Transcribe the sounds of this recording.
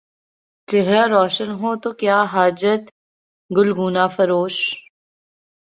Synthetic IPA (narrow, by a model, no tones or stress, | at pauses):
t͡ʃeɦɾaːɾɔːʃənɦoːt̪oːkjaːɦaːd͡ʒət̪ | ɡʊlɡuːnaːfɐɾoːʃ